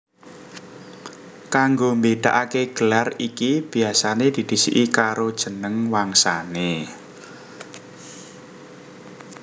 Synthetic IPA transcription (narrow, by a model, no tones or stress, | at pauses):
kaŋɡombed̪̥aʔakeɡ̥əlarikib̥i̤asaned̪̥i̤d̪̥i̤sḭʔikaɾod̥ʒ̥ə̤nəŋwaŋsane